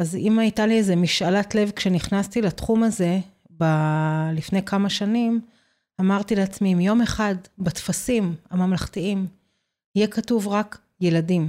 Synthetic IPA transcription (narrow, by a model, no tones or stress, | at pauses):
azimaijtalieze̞miʃalatlevkʃe̞niχnast̪ilatχumaze̞ | balifne̞jkamaʃanim | amaʁt̪ileat͡smiːmjo̞me̞χadbatfasimamamlaχtiim | ijekatuvʁak | je̞ladim